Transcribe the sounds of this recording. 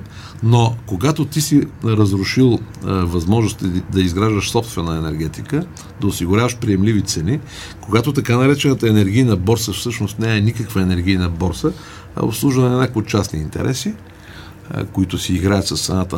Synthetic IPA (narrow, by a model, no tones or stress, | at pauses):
nokoɡat̪ot̪isiɾəzɾʊʃilˠvɐzmɔʒnʊst̪d̪ɐizɡɾaʒd̪əʃsɔpst̪vɛnəɛnɛɾɡ̟ɛt̪ikə | d̪ɐʊsiɡʊɾʲavəʃpɾijɛmlivit̪sɛni | koɡat̪ot̪ɐkanɐɾɛt͡ʃɛnət̪əɛnɛɾɡʲijnəbɔɾsəfsɤʃnost̪nɛɛnikəkvəɛnɛɾɡʲijnɐbɔɾsə | ɛ̰o̰pslˠuʒvənɐnʲakoot̪t͡ʃasnḭːnt̪ɛ̰ɾʔɛsḭ | koit̪ʊsiːɡɾaət̪sɐst̪ɾɐnat̪ə